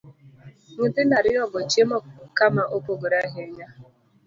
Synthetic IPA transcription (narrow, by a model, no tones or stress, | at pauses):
ŋ̩dɪnaɾɪɔɡɔt͡ʃemɔkamaʔopoɡoɾaɦeɲa